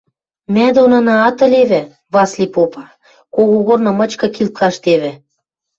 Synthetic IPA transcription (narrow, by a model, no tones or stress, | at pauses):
mæd̪onɑnɑːt̪ə̆leβɘ̆ | βɑslʲipopɑ | koɣoɣornɤ̆mə̆t͡ɕkɤ̆kilt̪̚kɑʃt̪eβɘ̆